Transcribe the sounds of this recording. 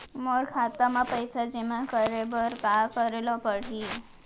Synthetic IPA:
moɾkʰat̪amãpəjsad͡ʒemãkəɾebəɾkakəɾelɔpəɽ̤i

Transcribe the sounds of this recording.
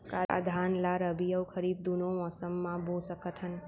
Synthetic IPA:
kaa̰d̪ʱanlaɾəbijəwkʰəɾid̪̚d̪unõɔsəmːãbʱosəkət̪ʰɦən

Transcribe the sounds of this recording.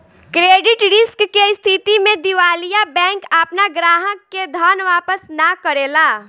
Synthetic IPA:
kɾeːɖɪʈɾɪskːeɪst̪ʰɪt̪imẽd̪ɪʋaːlijabɛ̃ːŋkəpnaɡɾaːɦəkːed̪ʱɔːnʋaːpəsnakəɾeːlaː

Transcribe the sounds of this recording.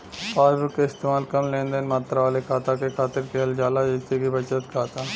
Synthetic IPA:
paːɾbəkeɪst̪eːmaːlkɐmlẽːnd̪ənmaːt̪ɾaʋaːlekʰaːt̪akekʰaːt̪ɪɾkʰeɦld͡ʒaːlad͡ʒɪt̪ekibɐt͡ʃət̪kʰaːt̪a

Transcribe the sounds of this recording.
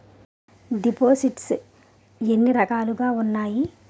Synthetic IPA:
ɖipoːsiʈs | e̞nːiɾɐkaːluɡaːunːaːji

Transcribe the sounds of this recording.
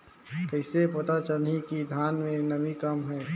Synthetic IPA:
kəɪsepət̪at͡ʃəlnikid̪ʱjaːnmẽnəmikəmɦɛː

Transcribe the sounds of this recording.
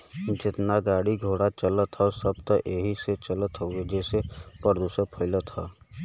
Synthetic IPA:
d͡ʒɪt̪naɡaːɽiɡʱoːɽat͡ʃələt̪ʰasɐbt̪əʔeːɦiset͡ʃələt̪ɦoed͡ʒɛːsepəɾd̪usəpʰəɪlət̪ʰaː

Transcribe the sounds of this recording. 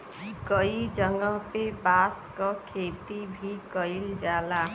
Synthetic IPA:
kɔid͡ʒəŋɡɔpebaskɔkʰet̪ibʱikɔild͡ʒala

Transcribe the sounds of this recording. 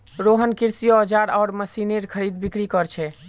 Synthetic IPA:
ɾoɦənkiɾsijɔd͡ʒaɾɔːɾməsineɾkʰəɾid̪bikɽikɔɾt͡ʃʰɛ

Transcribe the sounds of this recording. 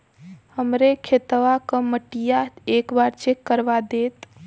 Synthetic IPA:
həmɾekʰet̪ʋakəməʈijaekbaɾt͡ʃʰekəɾʋad̪et̪

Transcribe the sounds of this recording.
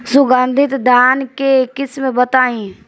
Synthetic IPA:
sʊɡãːnd̪ʱɪt̪d̪ʱaːnkekɪsmẽbət̪aːĩ

